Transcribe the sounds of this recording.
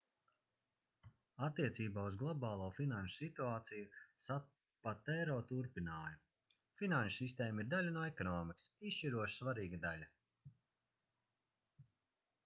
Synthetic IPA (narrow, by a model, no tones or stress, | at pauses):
at̪ːiɛt̪siːbaːuzɡlˠɔbaːlˠuːfinanʃu̥sit̪uaːt̪sijusa | pat̪ɛɾɔːt̪uɾpinaːju | finanʃʊ̥sist̪eːmiɾd̪alʲanoɛkɔnɔːmiksisʃt͡ʃiɾuɔʃsvaɾiːɡad̪alʲa